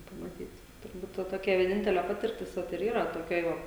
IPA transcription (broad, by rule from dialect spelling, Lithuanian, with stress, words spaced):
pɐmɐˈtʲiːt tʊrˈbuːt ˈʋɐ toːˈkʲɛ ʋʲiɛˈnʲɪnʲtʲɛlʲɛ ˈpɑːtʲɪrʲtʲɪs ˈʋɐt ɪr ˈiːrɐ toːˈkʲoːj ˈʋɐ